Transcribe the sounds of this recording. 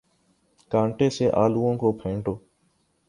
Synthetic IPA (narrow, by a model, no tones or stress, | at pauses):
kãːɳʈeːseːʔaːluːõːkoːpʰẽːɳʈoː